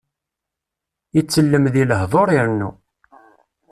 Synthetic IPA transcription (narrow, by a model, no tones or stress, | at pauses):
it͡sːəlːəmðiləhðˤoɾˤiɾnːu